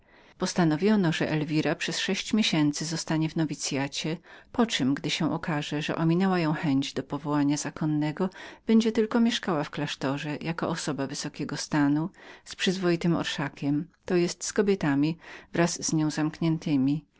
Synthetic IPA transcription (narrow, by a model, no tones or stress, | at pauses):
pɔst̪anɔvʲjɔnɔʐɛ̰ʔɛlvʲiɾapʂɛsʂɛɕt͡ɕmʲjeɕɛnt̪sɘzɔst̪aɲɛvnɔvʲit̪sʲjat͡ɕɛpɔt͡ʂɨmɡd̪ɘɕɛ̃ʔɔkaʐɛʐɛ̰ʔɔmʲinɛwajɔ̃w̃xɛɲd͡ʑd̪ɔpɔvɔwaɲaz̥akʰɔnːɛɡɔb̥ɛɲd͡ʑɛt̪ɘlkɔmʲjɛʂkawafklaʂt̪ɔʐɛjʔakɔ̰ʔɔsɔbavɘsɔkʲɛɡɔst̪anuspʂɘzvɔjit̪ɘmɔ̰ɾʂakʲɛmt̪ɔjɛst̪skɔbʲjɛt̪amʲivɾazz̥ɲɔ̃w̃zamkɲɛnt̪ɘmʲi